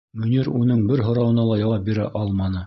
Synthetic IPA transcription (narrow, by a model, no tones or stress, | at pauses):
mɵ̆nʲiɾunɤɴbɘɾɦŏɾɑwɤ̆nɑlˠɑjɑwɑp̚biɾæ̰ʔɑlˠmɑnɤ